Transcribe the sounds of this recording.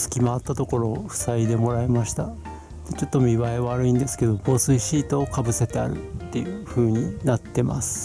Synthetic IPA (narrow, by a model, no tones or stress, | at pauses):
sɨ̥kʲimaat̪ːat̪o̞ko̞ɾo̞ːɸɯ̟̥said̪e̞mo̞ɾae̞maɕi̥t̪a | d̪̥e̞t͡ɕo̞t̪ːomʲiβae̞βaɾɯ̟ĩnd̪e̞sɨ̥ked̪o̞bo̞ːsɨiɕiːt̪o̞ːkabɯ̟se̞t̪e̞a̰ɾɯ̟̰t̪ːe̞jɯ̟ɸɯ̟ːɲ̟inat̪ːe̞ma̰sɨ̥